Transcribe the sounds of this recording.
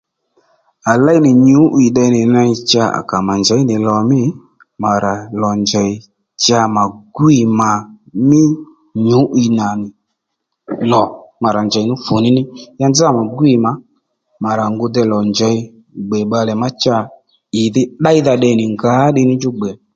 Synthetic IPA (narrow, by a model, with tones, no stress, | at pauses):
a˨la˦i˦nɪ˨ɲu˨˦ʔi˨ɗɛ˧nɪ˨na˧i˧t͡ʃa˧a̰˨ka˨ma˨nd͡ʒɛ˨˦nɪ˨lɔ˨mɪ˦ | ma˨ɾa˨lɔ˨nd͡ʒɛ˨ɪ˧ | t͡ʃa˧ma˨ɡu˦i˨ma˨ | nɪ˦ | ɲʊ˨˦ʔi˧na˨nɪ˨ | lɔ˨ma˨ɾa˨ɲd͡ʒɛ˨i˨nʊ˦fʊ˨nɪ˦nɪ˦ja˧nd͡za˦˨ma˨ɡi˨ma˨ | ma˨ɾa˨ŋɡʊ˧dɛ˧lɔ˨nd͡ʒɛ˨˦i˦ | ɡ͡bɛ˨ɓa˧lɛ˨ma˦t͡ʃa˧ | ɪ˨ðɪ˦ɗa˦i˦ða˧ɗɛ˧˨nɪ˨ŋɡa˨˦ɗɪ˧nɪ˦ɲd͡ʒʊ˦ɡ͡bɛ˨